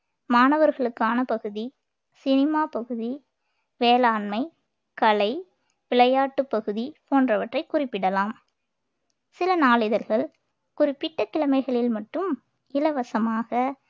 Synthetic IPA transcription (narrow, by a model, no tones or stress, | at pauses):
maːnɐʋɐɾɣɐɭɯkːaːnɐpɐɣɯði | sɪnɪmaːpɐɣɯði | ʋeːlaːnmɐɪ | kɐlɐɪ | ʋɪɭɐjaːʈːɯpːɐɣɯðipoːndrɐʋɐʈrɐɪkːʊrɪpːɪɽɐlaːm | sɪlɐnaːlɪðɐɾɣɐɭ | kʊrɪpːɪʈːɐkːɪɭɐmɐɪɣɐɭɪlmɐʈːɯm | ɪlɐʋɐsɐmaːɣɐ